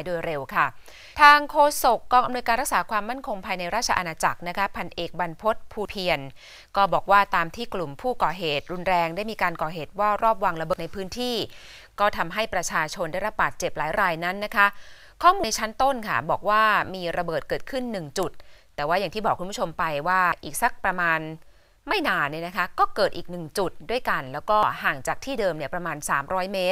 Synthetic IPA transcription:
jdoː˧jɾe˧wkʰa˥˩ | t̪ʰaː˧ŋkʰoː˧so˨˩kːɔː˧ŋʔa˧mnu˧jkaː˧nɾk̚saː˩˦kʰwaː˧mːa˥˩nkʰo˧ŋpʰaː˧jna˧jɾaː˥˩t̚t͡ɕʰa˧ʔnaː˧t͡ɕa˨˩k̚na˦˥kʰa˦˥pʰa˧nʔeː˨˩k̚ba˧npʰo˦˥t̪̚pʰuː˧pʰi˧ən | kɔː˥˩bɔː˨˩k̚waː˥˩t̪aː˧mt̪ʰiː˥˩klu˨˩mpʰuː˥˩kɔː˨˩ɦeː˨˩t̪̚ɾu˧nɾɛː˧ŋdaː˥˩jmiː˧kaː˧nkɔː˨˩ɦeː˨˩t̪̚waː˥˩ɾɔː˥˩p̬̚wa˧ŋɾa˧bɤː˨˩na˧jpʰɯː˦˥nt̪ʰiː˥˩ | kɔː˥˩t̪ʰa˧mɦa˥˩jpɾa˧t͡ɕʰaː˧t͡ɕʰo˧ndaː˥˩jɾa˦˥p̚baː˨˩t̪̚t͡ɕe˨˩p̚laː˩˦jɾaː˧jna˦˥nːa˦˥kʰa˦˥ʔ | kʰɔː˥˩muː˧n˧t͡ɕʰa˦˥nt̪o˥˩nkʰa̰˥˩bɔː˨˩k̚waː˥˩miː˧ɾa˧bɤː˨˩t̪̚kɤː˨˩t̪̚kʰɯ˥˩nːɯ˨˩ŋt͡ɕu˨˩t̪̚ː | ɛː˨˩waː˥˩ja˨˩ŋt̪ʰiː˥˩bɔː˨˩kʰːu˧npʰu˥˩o˧mpa˧jwaː˥˩ʔiː˨˩k̚sa˨˦˥k̚pɾa˧maː˧n | ma˥˩jnaː˧˩nːi˥˩na˦˥kʰa˦˥kɔː˥˩kɤː˨˩t̪̚ʔiː˨˩k̚nɯ˨˩ŋt͡ɕu˨˩t̪̚du˥˩əjka˧nlɛː˦˥wkɔː˥˩haː˨˩ŋt͡ɕaː˨˩k̚t̪ʰiː˥˩dɤː˧mni˥˩ɐpɾa˧maː˧nsaː˩˦mɾɔː˦˥jmeː˦˥t̪̚

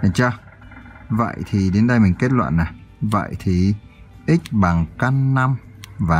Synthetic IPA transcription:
t͡ɕaː˧ | və̰˧˨jt̪ʰi˨˩ɗe˨˦nɗə˧jmï˨˩ŋ̟ke˦˥t̚lwa̰ː˧˨nːaː˨˩və̰˧˨jt̪ʰi˨˩ | ʔi˦˥k̚ɓa˨˩ŋka˧nːa˧m | vaː˨

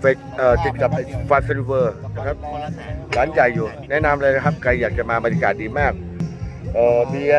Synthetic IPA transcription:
fa˧ | ʔəː˨˩t͡ɕ̪i˨˩t̪̚ka˨˩p̚ːa˧faː˧t̪se˧li˧wɤː˧na˧˩kʰa˦˥p̚baː˨˦nt͡ɕa˨˩jːuː˨˩nɛ˦˥ʔna˧mɾa˧ɾa˧kʰa˦˥˩p̚ka˧jːaː˨˩k̚t͡ɕa˨˩ʔmaː˧ba˧ɾja˧kaː˨˩t̪̚diː˧maː˥˩k̚ | ʔɤː˨˩biː˧

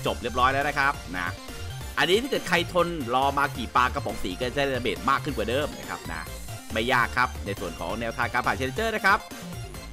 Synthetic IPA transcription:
t͡ɕo˨˩p̚ɾi˥˩əp̚ɾɔː˦˥jnɛ˦˥na˦˥kʰa˦˥p̚na̰˦˥ | ʔa˧nːi˦˥t̪ʰaː˥˩kɤː˨˩t̪̚kʰa˧jt̪ʰo˧nɾɔː˧maː˧kiː˨˩paː˧ka˧pʰɔ˨˩˦ŋsiː˩˦kːa˥˩˨a˧beː˨˩t̪̚maː˥˩kʰːɯ˥˩nkwaː˨˩dɤː˧mna̰˦˥˩kʰa̰˦˥p̚na̰˦˥ | ma˥˩jːaː˥˩kʰːa˦˥p̚na˧jsu˨˩ənkʰɔ̰ː˩˦ŋnɛː˧wt̪ʰaː˧kaː˧npʰaː˨˩t̚t͡ɕʰe˧e˧t͡ɕɤː˥˩na˦˥kʰa˦˥p̚

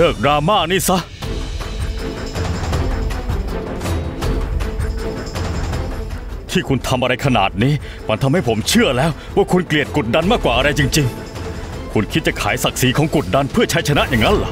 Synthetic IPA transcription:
lɯː˥˩k̚dɾaː˧maː˥˩niː˦˥˩sa˦˥ | t̪ʰiː˥˩kʰu˧nt̪ʰa˧mʔa˧ɾa˧jkʰa˧na̰ː˨˩t̪̚niː˦˥ | ma˧nt̪ʰa˧mha˥˩jpʰo˩˦mt͡ɕʰɯ˥˩ɐlɛː˦˥w | waː˥˩kʰu˧nkli˨˩ət̪̚ku˨˩t̪̚da˧nmaː˥˩kwaː˨˩ʔa˧ɾa˧jt͡ɕi˧ŋt͡ɕi˧ŋ | kʰu˧nkʰt̪̚t͡ɕa˨˩kʰa̰ː˩˦jsa˨˩k̚siː˩˦kʰɔː˩˦ŋku˨˩t̪̚da˧npʰɯ˥˩ɐt͡ɕʰa˦˥jt͡ɕʰa˧na˦˥ʔjaː˨˩ŋːa˦˥nla˨˩

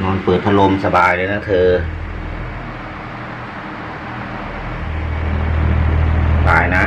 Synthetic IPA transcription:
nɔː˧npɤː˨˩t̪̚ʰa˧lo˧msa˧baː˨˩jlaː˧na˦˧˥t̪ʰɤː˧ | a˧baː˨˩jna˦˥

